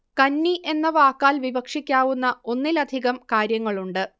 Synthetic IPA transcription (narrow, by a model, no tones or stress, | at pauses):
kɐnːiʔe̞nːɐʋaːkːaːlʋibɐkʂikʲːaːʋunːɐo̞nːilɐd̪ʱiɣɐmkaːɾjɐŋːɐɭuɳɖɨ